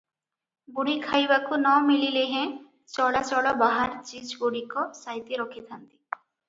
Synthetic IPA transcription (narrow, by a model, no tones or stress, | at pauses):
buɽikʰajbakunɔmilileɦẽ | t͡ʃɔɭat͡ʃɔɭɔbaɦaɾt͡ʃid͡ʑɡoɽikɔsajt̪iɾɔkʰit̪ʰant̪i̥